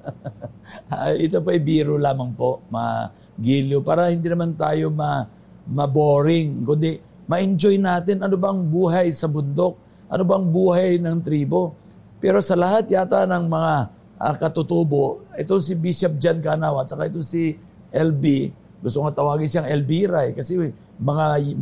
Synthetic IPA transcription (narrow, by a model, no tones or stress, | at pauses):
a̰jʔɪt̪opɐɐjbiːɾolaːmɐŋpo̞ʔmɐa̰ | ɡiljopaːɾɐhɪnd̪iːnɐmant̪aːjo̞mɐ | mɐboːɾɪŋkʊnd̪ɛ | mɐʔɪnd͡ʒojnaːt̪ɪnʔɐnobɐŋbuːɦɐjsɐbʊnd̪o̞k̚ | ʔɐ̰nobɐŋbuːhajnɐŋt̪ɾiːbo̞ | pɛːɾo̞sɐlɐɦat̪̚jaːt̪anɐŋmɐŋa | ʔɐ̰kɐt̪ʊt̪uːbo̞ʔʔɛt̪oŋsɪbiʃɐp̚d͡ʒan̚kanaːwɐt͡ʃɐkaʔɛt̪oŋsi | ʔɛlbi | ɡʊst̪oŋɐt̪ɐwaːɡɪnʃaŋɛlbiɾajkɐsɛ | mɐŋa